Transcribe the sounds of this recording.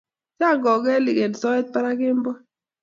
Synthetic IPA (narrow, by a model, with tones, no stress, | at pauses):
t͡ʃa˦˨ŋɡɔ˨ɡɛ˦lɪ˨ke˨n˨sɔ˦ɛ˦t̪̚pa˦ɾa˦kɪ˦mbɔ˦